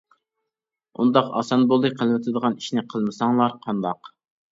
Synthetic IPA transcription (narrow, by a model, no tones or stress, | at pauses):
ṵnd̪ɑqɑ̰sɑnbolˠd̪ɨqʰəlˠwɪt̪ʰɨd̪əʁɑni̥ʃnɪqʰəlˠmɨsɑŋlˠɑɾqʰɑnd̪ɑq